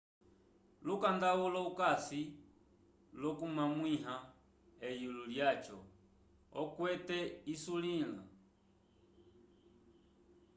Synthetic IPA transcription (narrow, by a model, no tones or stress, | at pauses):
lukandaulɔukasi | lɔkumamwiɦa | ɛjululjat͡ʃɔ | ɔkwɛtɛisulila̰